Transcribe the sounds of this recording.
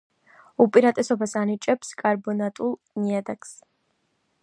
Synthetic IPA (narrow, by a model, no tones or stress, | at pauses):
upʼiɾat̪ʼɛsobasaːnit͡ʃʼɐpskʼarbonat̪ʼulˠ | niɛd̪ɐkʰʼs